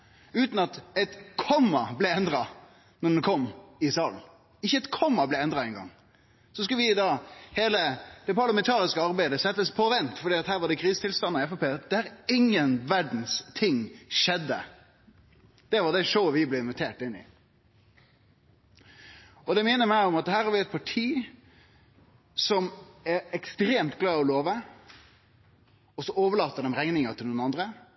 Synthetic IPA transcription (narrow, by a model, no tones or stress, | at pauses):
ʉːt̪nɑt̪ɛt̪kʰɔmːɑblɛɛnd̪ɾɑ | nɔɖ̪ɛnkʰɔmːɪsɑːln̩ | ɪçːəɛt̪kʰɔmːɑblɛɪɛnd̪ʁɑdɛɪnɡɑ̰ŋ | sɔskɑlʋɪd̪ɑːheːləd̪ɛpɑɾɭɑmɛnt̪ʰɑːɾɪskəɑɾbæɪd̪əsɛt̪ːəspʰɔʋɛnt̪fɔɖiːɑt̪hæːɾʋɑɖɛkʰɾiːsət̪ɪlst̪ɑnɑɪɛfɑpeːd̪ɛææɾɪŋːənʋæɖn̩st̪ʰɪŋʃɛd̪ə̰ | d̪̥ɛʋɑɖ̪ɛʂoʊʋɪblɛɪnʋɪt̪ʰeːʈɪnːɪ̰ | ɔd̪ɛmɪnəmæɪɔmɑt̪hæːɾɑɾʋɪɛt̪̚pʰɑʈʰiː | sɔmɛɾɛkst̪ɾeːmt̪ɡ̥lɑːɔloːʋə | ɔsɔoːʋəɭɑːt̪ːəɖ̪ɛmɾɛŋnɪŋət̪ʰɪluːnɑnd̪ɾə